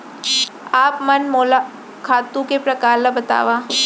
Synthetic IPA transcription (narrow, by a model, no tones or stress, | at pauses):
aːpmɐnmoːla | kʰaːt̪ũkepɾɐkaːɾlabɐt̪a̰ːʋaː